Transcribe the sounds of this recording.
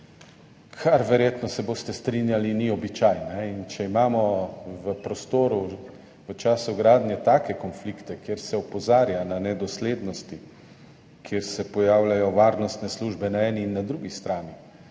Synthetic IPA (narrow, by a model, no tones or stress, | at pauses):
kʰaɾʋɛɾjeːt̪nɔsɛboːst̪ɛst̪ɾinjaliniɔbit͡ʃaːjnɛint͡ʃɛimaːmɔʋəpɾɔst̪oːɾu | ʋət͡ʃaːsuɡɾaːd̪njɛt̪aːkɛkɔnflikt̪ɛkjeːɾsɛɔpɔzaːɾjananɛd̪ɔsleːd̪nɔst̪i | kʰjeɾsɛpɔjaːwlajɔʋaːɾnɔst̪nɛsluʒbɛnaɛːniːnːad̪ɾuɡist̪ɾaːni